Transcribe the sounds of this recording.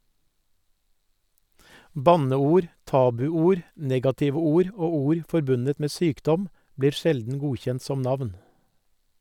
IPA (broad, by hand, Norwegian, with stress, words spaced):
ˈbɑnəˌuːɾ ˈtɑːbʉˌuːɾ ˈnɛɡɑtɪʋə ˈuːɾ ˈoː ˈuːɾ fɔɾˈbʉnət ˈmeː ˈsyːkˌdɔm ˈbliːɾ ˈʃɛldn̩ ˈɡuːçɛnt ˈsɔm ˈnɑʋn